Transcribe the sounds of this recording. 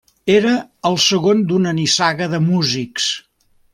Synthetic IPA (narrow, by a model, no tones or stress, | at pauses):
eɾəːlˠsəɣond̪unənisaɣəðəmuziks